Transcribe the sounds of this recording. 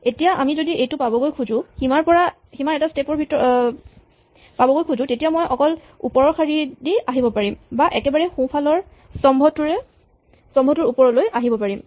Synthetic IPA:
etijaʔa̰mizodiʔejtʊpabɔɡojkʰuzʊ̃himaɹpɔɹa | ximaɹɛtastepɔɹbʱitɔ | pabɔɡojkʰuzʊ̃tetijamɔjɔkɔl | upɔɹɔkʰaɹidiaɦibɔpaɹimbaʔɛkɛbaɹɛxũpʰalɔɹ | sɔmbʱɔtuɹɛ | sɔmbʱɔtʊɹupɔɹɔlojʔaɦibɔpaɹim

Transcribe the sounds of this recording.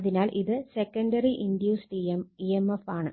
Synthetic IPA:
ɐðinaːlʔiðɨsekːɐɳɖɐriʔind̪juːsʈiemiemefaːɳɨ

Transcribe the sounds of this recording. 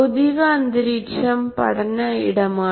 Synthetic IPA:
ʊðɪʋɐːnd̪ɪɾiːt͡ʃɐmpɐ̰ɽɐnɐɪ̰ɽɐmaː

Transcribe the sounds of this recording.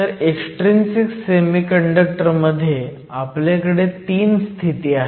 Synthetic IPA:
əɾeksʈɾinsiksemikəɳɖək̚ʈəɾməd̪ʱːje | apljakəɽet̪iːnst̪ʰit̪iːaɦ

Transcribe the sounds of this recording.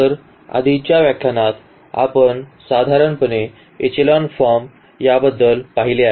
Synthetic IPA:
əɾ | a̰d̪ʱit͡ɕjaʋjakʰjanat̪ | a̰pəɳsad̪ʱaɾəɳpəne | et͡ɕelɔnfɔɾm | jabəd̪ːəlpaɦilea

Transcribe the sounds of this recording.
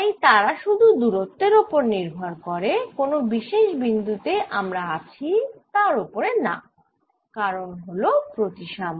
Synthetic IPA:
ajt̪aɾaʃud̪ʱud̪uɾot̪ːeɾopoɾniɾbʱaɾkɔɾekonobiʃeʃbind̪ut̪eʔamɾaat͡ɕʰit̪aɾopoɾena̰ | kaɾonɦolopɾot̪iʃam

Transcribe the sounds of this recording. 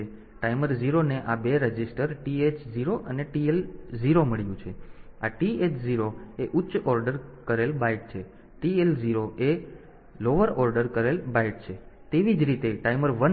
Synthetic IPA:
ʈaiməɾziɾoneʔabeɾəd͡ʒisʈəɾʈiet͡ʃziɾoʔəneʈielziɾoməɭjũt͡ʃʰeaʈiet͡ʃziɾoeʔutːt͡ʃɔɾɖəɾkəɾelbajʈ̚t͡ʃʰe | ʈielziɾoʔe | loʋəɾɔɾɖəɾkəɾelbajeʈ̚t͡ʃʰet̪eʋid͡ʒɾit̪eʈaiməɾʋən

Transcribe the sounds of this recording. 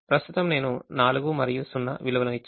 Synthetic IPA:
pɾɐst̪ut̪ɐmne̞ːnunaːluɡumɐɾɐjusunːɐ̰ʋiluʋɐlɐmit͡ʃː

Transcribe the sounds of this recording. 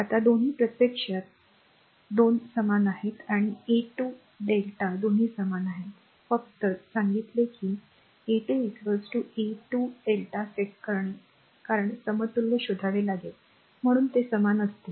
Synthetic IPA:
at̪ad̪on̤iːpɾət̪jəkʂat̪̚ | d̪onsəmanaɦet̪aɽ̃ieʈu | ɖelʈad̪on̤iːsəmanaɦet̪ | fək̚t̪əsaŋɡit̪lekiː | eʈueʈʋəd͡zʈueʈuɖelʈafeʈkəɾɳe | kaɾəɳsəmət̪ulːeɕud̪ʱaʋelaɡet̪̚ | m̤əɽ̃uːnt̪esəmanəst̪e

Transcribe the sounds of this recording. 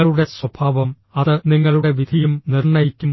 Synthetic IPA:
ɐɭuɽe̞swɐbʰʱaːʋɐm | ɐðɨniŋːɐɭuɽe̞ʋid̪ʱijumnirɳɐjikʲːumː

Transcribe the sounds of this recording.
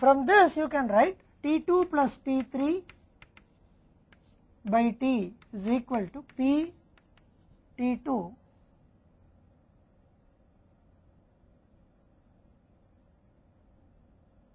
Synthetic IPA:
fɾʌ̃md̪ɪsjuːkɛ̃nɾaɪʈ | ʈiːʈuːplɐsʈiːt̪ʰɾiː | baɪʈiːɪziːkʋəlʈupi | ʈiːʈuː

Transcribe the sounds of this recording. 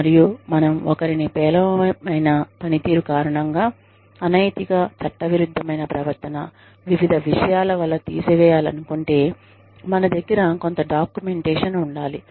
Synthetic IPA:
ɐɾijumɐnɐmɔkɐɾinipɛːlɐʋmɐjnɐpɐnit̪iːɾukaːɾɐɳɐŋɡaː | ɐnɐjt̪iɡaːt͡ʃɐʈːɐʋiɾud̪ʱːɐmɐjnɐpɾɐʋɐɾt̪ːɐnɐ | ʋiʋid̪ʱɐʋiʂɐjaːlɐʋɐlːɐt̪ḭːsɐʋɛːjaːlɐnukoɳʈe̞ː | mɐnɐd̪ɐɡːiɾɐko̞nt̪ɐɖaːkjume̞ɳʈɛːʂɐnuɳɖaːli

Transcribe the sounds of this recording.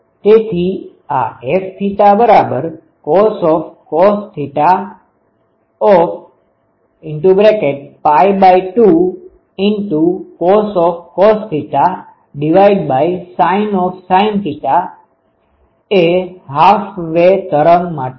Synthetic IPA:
t̪et̪ʰi | a̰eft̪ʰiʈabəɾabəɾ | kɔsɔfkɔst̪ʰiʈa | ɔf | ɪɳʈubɾekeʈ̚pajbaiʈu | ɪɳʈukɔsɔfkɔst̪ʰiʈa | ɖiʋaiɖbaisainɔfsainpiʈa | eɦafʋet̪əɾəŋɡmaʈe

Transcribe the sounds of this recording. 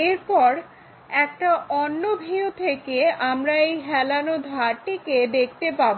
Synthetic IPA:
eɾpɔɾ | ɛk̚ʈaʔɔnːobʱiot̪ʰekeamɾaejɦɛlanod̪ʱaʈiked̪ek̚ʰt̪epabo

